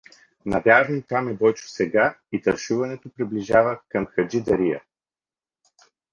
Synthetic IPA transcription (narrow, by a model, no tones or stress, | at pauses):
nɐvʲjaʒnit̪amɛbɔjt͡ʃʊ̥sɛɡait̪ɐɾʃuvɐnɛt̪opɾibliʒavəkɐmxɐd͡ʒid̪ɐɾiə̰